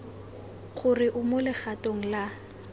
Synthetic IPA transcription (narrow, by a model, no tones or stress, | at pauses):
χʊrɪʔʊmʊlɪχatoŋ̩la